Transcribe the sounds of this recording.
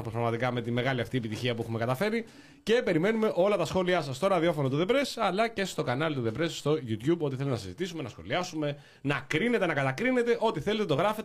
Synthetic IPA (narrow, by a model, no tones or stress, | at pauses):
pospɾɐɣmɐt̪ikɐme̞t̪ime̞ɣɐliɐft̪ie̞pit̪içiɐpuexume̞kɐt̪ɐfe̞ɾi | ce̞pe̞ɾime̞nume̞ʔo̞lɐt̪ɐsxo̞liɐsɐst̪oɾɐðio̞fo̞not̪uðe̞pɾe̞sɐlɐce̞st̪o̞kɐnɐlt̪uðe̞pɾe̞sːt̪o̞ʝut̪çubo̞t̪iθe̞lut̪enɐsizit̪isume̞nɐsxo̞̰liɐsume̞ | nɐkɾine̞t̪e̞nɐkɐt̪ɐkɾine̞t̪e̞ʔo̞t̪iθele̞t̪et̪o̞ɣɾɐfet̪